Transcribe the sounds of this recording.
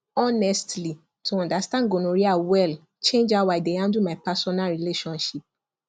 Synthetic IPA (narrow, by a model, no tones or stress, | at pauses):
ɔnɛstli | tʰuɔ̃ndastãnɡonoɹiawɛl | t͡ʃẽnd͡ʒawaɪdeãndumaɪpasɔnalɹileʃɔ̃nʃip̚